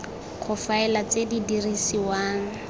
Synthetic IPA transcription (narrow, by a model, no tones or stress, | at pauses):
χʰʊfaɛlat͡sedidirisiwaːŋ̩